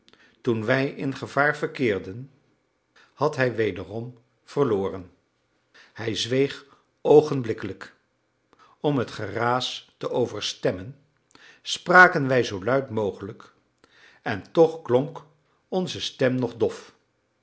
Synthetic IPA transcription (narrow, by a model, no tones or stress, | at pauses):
tunʋɛjʔɪnχəvaːɹvəɹkɪːɹdən | hɑtɦɛjʋejdərɔm | v̥əɹlʊːrən | hɛjzʋejχ | owχənblɪkələk | ɔmɦətχəraːstəʔowvəɹstɛmən | spraːkənʋɛjzowlœɥtmowχələk | ɛntɔχklɔŋk | ɔnzəstɛmnɔχdɔf